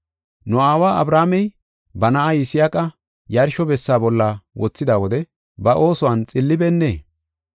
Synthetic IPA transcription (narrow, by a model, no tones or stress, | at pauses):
nʊaːwaːɐbɾaːmɛj | bɐnɐʔajɪsɪjakʼɐ | jɐɾʃɔbɛsːaːbɔlːɐwɔt͡sːɪd̪aːwɔd̪ɛ | bɐʔo̞ːsʊwɐnt͡sʼɪlːɪbɛnːḛː